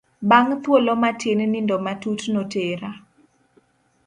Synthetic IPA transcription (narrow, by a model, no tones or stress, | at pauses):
baŋt̪wolɔmatʰennindɔmatutnoteɾa